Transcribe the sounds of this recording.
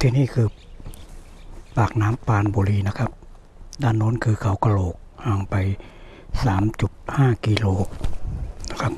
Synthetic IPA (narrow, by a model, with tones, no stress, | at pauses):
t̪ʰiː˧niː˧˥˩kʰɯː˧˩p | paː˨˩k̚naː˦˥mpaː˧˩nboː˨liː˧˩na˧˩kʰa˧˥p̚ | daː˧˩˨nːoː˧˥˨nkʰɯː˧kʰa˨˦wka˧loː˨˩k̚ha˧˩ŋpa˨j | saː˩˦mt͡ɕu˨˩t̪̚haː˧˥˩kiː˧loː˧k̚na˧˩kʰa˦˧˥p̚